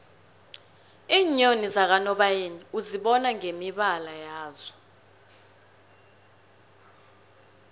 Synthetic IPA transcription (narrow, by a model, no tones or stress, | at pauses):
iːɲonizak̬anɔɓajeniuziɓɔnaŋemiɓalajaːzɔ